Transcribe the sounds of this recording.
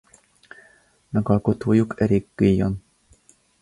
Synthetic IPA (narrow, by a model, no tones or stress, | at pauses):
mɛɡɒlko̞t̪oːjukʰɛɾeːɡːejon